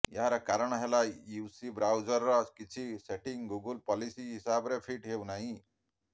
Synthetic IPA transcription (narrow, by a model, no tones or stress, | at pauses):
jaaɾakaɾəɳ̃ɦelajjusibɾawd͡ʒəɾːɔkit͡ʃʰiseʈiŋɡuɡəlpɔlisiɦisabɾefʰiʈɦewnaɦĩ